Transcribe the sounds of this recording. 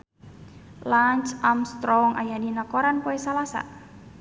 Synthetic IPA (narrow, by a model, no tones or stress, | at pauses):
laɲt͡ʃamst̪ɾɔŋʔa̰jadinakoɾankoɛsalasa̰